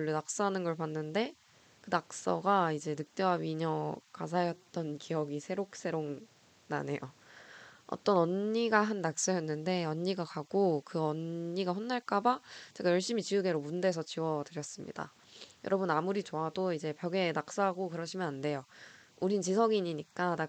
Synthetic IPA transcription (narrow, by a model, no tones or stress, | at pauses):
uɭːonak̚s͈aɦanɯnɡʌɭpanːɯnde̞ | kɯnak̚s͈ʌ̰ɡaid͡ʑe̞nɯk̚t͈ewaɥiɲʌka̰sʰajʌt̚t͈ʌnkʰijʌɡisʰe̞ɾok̚s͈e̞ɾoŋ | na̰ne̞jo̰ | ʌ̰t͈ʌnʌnɲiɡaɦanːak̚s͈ʌjʌnːɯnde̞ʌɲːiɡakaɡ̥okɯʌnːiɡaɸonːaɭk͈abat͡ɕeɡajʌɭɕ͈imit͡ɕiuɡe̞ɾomunde̞sʰʌt͡ɕiwʌdɯɾjʌs͈ɯmɲḭda̰ | jʌɾʌbɯnamuɾit͡ɕoadoid͡ʑe̞pjʌɡe̞nak̚s͈ʌɦaɡokɯɾʌɕʰimjʌnande̞jouɾint͡ɕisʰʌɡiɲiɲik͈ana